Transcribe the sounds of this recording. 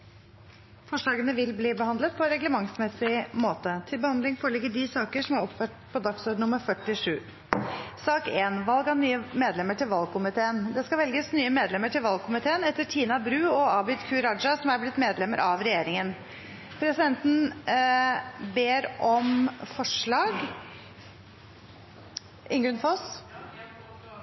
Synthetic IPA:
fɔʂɭɑːɡənəʋɪlbliːbəhɑnd̪lət̪̚pʰɔɾɛɡləmɑŋsmɛsɪmoːt̪ət̪ʰɪlbəhɑnd̪lɪŋfɔːɾɭɪɡəɖisɑːkəʂɔmæɾɔpfœʈpʰɔd̪ɑksɔɖɳnʊmːəɾfœʈːɪʂʉː | sɑːkeːnʋɑlɡɑnyːəmeːd̪lɛməʈʰɪlʋɑlˠkʰʊmɪt̪ʰeːənd̪ɛskɑʋɛlɡəsnyːəmeːd̪lɛmːəʈʰɪlʋɑlɡkʰʊmɪt̪ʰeːənɛt̪ːəʈʰiːnɑbɾʉːɔɑːbɪt̪kʰʉːɾɑd͡ʒɑsɔmæɾblɪt̪meːd̪lɛmːə̰ɾʔɑʋɾɛjeːɾɪŋən | pʰɾɛsɪd̪ɛnt̪n̩ | beːɾʔɔmfɔʂɭɑːɡ | ʔɪŋɡɾʉnfɔs

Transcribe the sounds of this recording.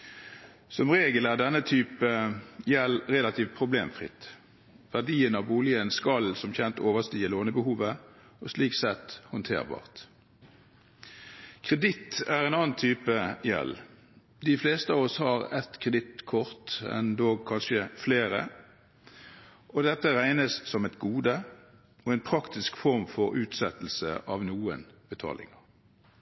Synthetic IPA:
sɔmʁeːɡəlæːʁɖ̪ɛnːət̪ʰyːpəjɛlʁɛlɑt̪ʰiːʋt̪̚pʰʁʊbleːmfʁɪ̰t̪ | ʋæʁd̪iːənɑʋbuːlɪənskɑlsɔmçɛnt̪oːʋəʁst̪iːəloːnəbəhuːʋə | ɔsliːksɛt̪hɔnt̪ʰḛːʁbɑ̰ːʁt̪ | kʰʁɛd̪ɪt̪æʁɛɪnɑːnt̪ʰyːpəjɛ̰l | d̪ɪfleːst̪əɑːʋɔshɑʁɛt̪kʰʁɛd̪ɪt̪kʰɔʁt̪ɛ̰nd̪oːɡ̚kʰɑnʃəfleːʁə̰ | ʔɔd̪ɛt̪ːəʁæɪnəssɔmɛt̪ɡuːd̪ə | oɛnpʰʁɑkt̪ɪskfɔʁmfɔʁʉːt̪sɛt̪l̩sə̰ʔɑʋnuːənb̥ət̪ʰɑ̰ːlɪ̰ŋəʁ

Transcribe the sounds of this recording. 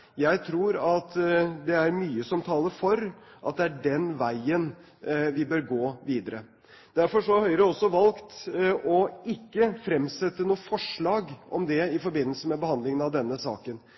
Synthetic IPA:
jæɪt̪ʰɾuːɾɑt̪d̪ɛæɾmyːəsɔmt̪ʰɑːləɾfɔɾʔɑ̰t̪̚d̪ɛæɖɛnʋæɪən | ʋɪbøːɾɡoːʋiːd̪əɾə | d̪̥æɾfɔʂɔhɑɾhœʏɾəɔsːɔʋɑlkt̪ɔɪkːəfɾɛmsɛt̪ːənuːəfɔʂɭɑːɡʔɔ̰md̪ɛɪfɔɾbɪnːəlsəmɛbəhɑnd̪lɪŋənɑʋd̪ɛnːəsɑ̰ːkən

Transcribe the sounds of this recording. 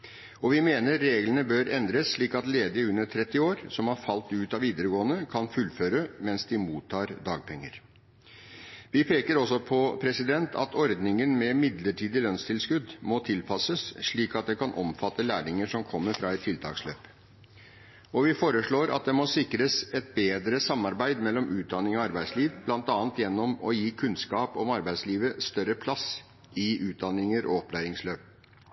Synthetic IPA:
ɔʋɪmeːnəːeːɡlənəbøːɾɛnd̪ɾəsʂɭiːkɑt̪leːd̪ɪəʉnːəʈ̪ʰɾɛt̪ːɪoːɾsɔmhɑɾfɑlt̪ʉːt̪ɑʋiːd̪əɾəɡoːənəkʰɑnfʉlføːɾəmɛnsd̪ɪmuːt̪ʰːɑːɾd̪ɑːɡ̚pʰɛŋːə̰ɾ | ʋɪpʰeːkəɾɔsɔpʰɔpʰɾɛsɪd̪ɛnt̪ʰɑ̰t̪ʰɔɾd̪nɪŋənmɛmɪd̪ləʈʰiːd̪ɪlœnst̪ʰɪlskʉd̪mɔt̪ʰɪlpʰɑsəsʂɭiːkɑt̪̚d̪ɛkɑnʔɔmfɑt̪ːəlæːɳɪŋəʂɔmkʰɔmːəɾfɾɑːɛt̪ʰːɪlt̪ʰɑ̰ːksløːp | ɔʋɪfoːɾəʂɭoːɾʔɑ̰t̪̚d̪ɛmɔsɪkɾəsɛt̪̚beːd̪ɾəsɑmːɑɾbæɪd̪mɛlːɔmʉːt̪̚d̪ɑnːɪŋɔɑɾbæɪsliːʋb̥lɑnt̪ɑːnt̪jɛnːɔmɔjiːkʰʉnskɑːpɔmɑɾbæɪsliːʋəst̪œɾəpʰlɑs | ʔɪʔʉːt̪̚d̪ɑnːɪŋəɾʔɔ̰ɔplæːɾɪŋsløːp̚

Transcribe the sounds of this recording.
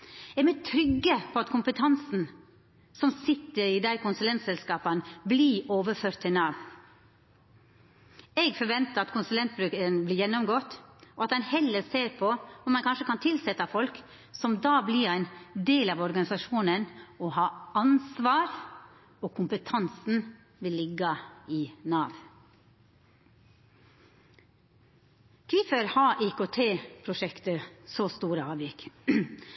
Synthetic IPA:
ɛmɛt̪ʰɾʏɡːəpʰɔɑt̪kʰʊmpət̪ʰɑnsn̩ | sɔmsɪt̪ːəɾiːd̪æɪkʊnsʉlɛnt̪sɛlskɑːpɑnblioːʋəføːɾt̪ʰːɛnɑːʋ | ɛɡfɔɾʋɛnt̪əɾɑt̪kʊnsʉlɛnt̪̚bɾʉːkənblɪːɾjɛnːɔmɡɔːt̪ːɔɑt̪ɛnhɛlːəɾseːɾpʰɔɔmɑnkʰɑnʂəkɑnt̪ʰɪlsɛt̪ːɑfɔlk | sɔmd̪ɑːblɪɾæɪnd̪eːlɑːʋɔɾɡɑnɪsɑʃuːnənɔhɑːɑnsʋɑːɾ | okʰʊmpət̪ʰɑnsn̩ | ʋɪlːɪɡːɑɪnɑːʋ | kʰʋɪfəɾhɑːʔikoːt̪ʰeːpʰɾʊʂɛkt̪əsoːst̪uːɾəɑːʋjɪk

